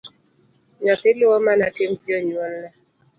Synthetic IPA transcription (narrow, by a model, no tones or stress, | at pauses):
ɲɔt̪ɪlʊwɔmanatɪmd͡ʒɔɲwɔnlɛ